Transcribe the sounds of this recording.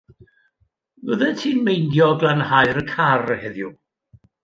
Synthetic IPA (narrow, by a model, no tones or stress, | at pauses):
nəðɛntʰiːnmejndjɔɡlˠanhajɾəkʰarəhɛðju